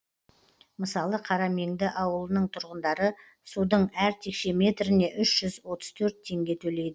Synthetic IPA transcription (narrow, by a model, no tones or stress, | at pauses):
məsɑlˠəqʰɑɾɑme̞ŋd̪ɪʔɑwəlˠənəɴt̪ʰʊɾʁənd̪ɑɾə | sud̪əɴæɾt̪ʰe̞kʃe̞me̞t̪ɾɪne̞ʔʏʃʒ̥ʏzwo̞t̪ə̥z̥t̪ʰɵɾt̪ʰːe̞ŋɡʲe̞t̪ʰɵle̞jd̪ɪ